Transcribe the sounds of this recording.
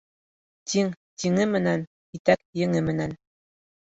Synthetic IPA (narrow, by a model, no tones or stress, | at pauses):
t̪iŋt̪iŋɘmɘ̆næn | it̪æk̚jɘ̆ŋɘmɘ̆næn